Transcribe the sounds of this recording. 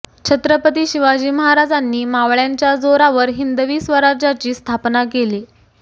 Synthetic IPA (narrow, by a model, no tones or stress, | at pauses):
t͡ɕʰət̪ɾəpət̪iːɕiʋad͡ʑiːməɦaɾad͡zanːiːmaʋɭjaɲt͡ɕjad͡zoɾaʋəɾɦind̪əʋiːsʋəɾaɾd͡ʑat͡ɕiːst̪ʰapnakeliː